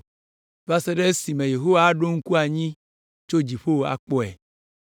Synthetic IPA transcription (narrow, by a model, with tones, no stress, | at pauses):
va˦se˦ɖe˦si˨mẽ˨je˨ɦo˦wa˦ɖo˦ŋ̩˦ku˦a˨ɲĩ˦ | t͡ʃo˦d͡ʑi˨ɸo˦a̰˨k͡pɔ˦ɛ˨